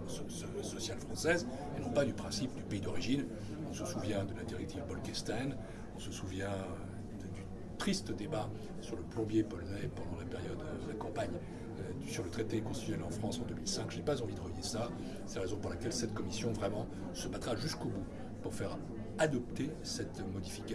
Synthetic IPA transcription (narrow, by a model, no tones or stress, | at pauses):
s | sɔsjalfχɑ̃sɛz | enɔ̃pad̪ypχɛ̃sip̚d̪ypeid̪ɔʁiʒin | ɔ̃səsuvjɛ̃d̪əlad̪iʁɛk̚t̪ʰivbɔlkɛst̪ɛn | ɔ̃səsuvjɛ̃ | d̪y | t̪χist̪əd̪eba | syʁləplɔ̃bjepɔlnɛpɑ̃d̪ɑ̃lapeʁjɔd̪lakɑ̃paɲ | d̪ysyʁlət̪χet̪ekɔ̃st̪i̥t̪ɛlɑ̃fχɑ̃sɑ̃d̪ømilsɛ̃kʒənɛpazɑ̃vid̪əʁəvjesa | sɛlaʁezɔ̃puʁlakʲɛlsɛt̪kɔmisjɔ̃vʁɛmɑ̃ | səbat̪χaʒyskobu | puʁfɛʁ | ad̪ɔp̚t̪e | sɛt̪mɔd̪ifi̥ka